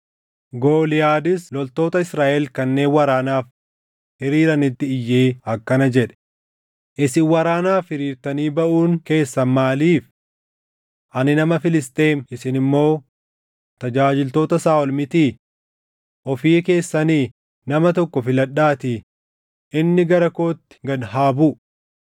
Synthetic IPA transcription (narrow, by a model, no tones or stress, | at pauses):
ɡoːlɪjaːd̪ɪslɔlt̪o̞ːt̪ɐɪsɾaːʔɛlkɐnːe̞ːnwɐɾaːnaːf | hɪɾiːɾɐnɪt̪ːɪɪjːeːɐkːɐnɐd͡ʒɛᶑɛ̥ | ʔɪsɪwɐɾaːnaːfhɪɾiːɾt̪ɐniːbɐʔuːŋke̞ːsːɐmaːliːf | ʔɐnɪnɐmɐfɪlɪst̪ʼe̞ːnʔɪsɪnɪmːo̞ː | t̪ɐd͡ʒaːd͡ʒɪlt̪o̞ːt̪ɐsaːɔlmɪt̪iː | ʔɔfiːke̞ːsːɐniː | nɐmɐt̪ɔkːɔfɪlɐɗːaːt̪ɪ | ʔɪnːɪɡɐɾɐko̞ːt̪ːɪ̥ɡɐd̪haːbu